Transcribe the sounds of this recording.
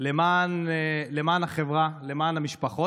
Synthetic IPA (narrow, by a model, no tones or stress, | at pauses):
lemaːnle̞maːnaχe̞vʁale̞maːnhamiʃpaχo